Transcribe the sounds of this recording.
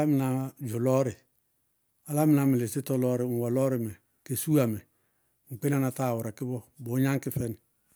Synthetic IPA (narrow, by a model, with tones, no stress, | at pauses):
a˦mɪ˨na˨d͡ʒʊ˨lɔ˦ɾɪ˨ | a˨la˦mɪ˨na˨mɪ˨le˨sɪ˦tɔ˦lɔ˦ɾɪ˨ŋ̩˨wa˨lɔ˦ɾɪ˨mɛ˨ | ke˨su˦a˨mɛ˨ | ŋ͡m̩˨k͡pe˦n˦a˦na˨ta˦˨wʊ˨ɾa˨kɪ˦bɔ˦bo˨˦ɲa˦ŋkɪ˦fɛ˦n˨